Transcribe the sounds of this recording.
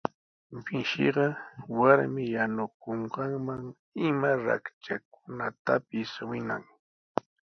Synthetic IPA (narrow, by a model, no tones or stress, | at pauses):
bɪʃɪ̰ɢɑwaɾmɪjanʊkoɴɢɑŋmaŋ | ɪmaɾa̰kt͡ʃak̚ʊnat̪apɪswɪna̰ŋ